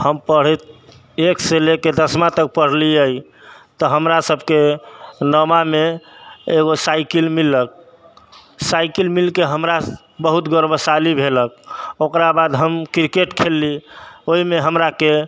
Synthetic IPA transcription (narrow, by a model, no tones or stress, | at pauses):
həmpəɽ̤it̪̚ | ekseleked̪əsmat̪ək̚pəɽ̤liəj | t̪ɔɦəmɾasəbʱkenəmame | eɡosajkilmilːək̚ | sajkilmilkeɦəmɾa | bəɦut̪ɡəɾbəsalibʱelək̚okɾabad̪ɦəmkɾikeʈkʰelːioɦimeɦəmɾake